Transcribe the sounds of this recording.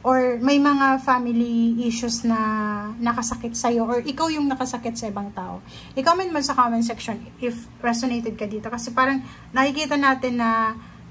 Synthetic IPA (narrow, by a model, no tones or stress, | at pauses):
ʔoɹmɐjmɐŋafamɪliʔiʃʊsnɐnɐkɐsɐkɪt̪̚sɐjo̞ʔoɹʔɪkawjʊŋnɐkɐsɐkɪt̪̚sɐʔɪbɐŋt̪aːʔo̞̰ | ʔɪkawmɐnmɐnsɐkomɐns̬ɛkʃonʔɪf | ɹɛsonejt̪ɛd̪̚kɐd̪iːt̪o̞kɐsɛpaːɾɐŋ | nɐkɪkiːt̪ɐnaːt̪ɪnːɐ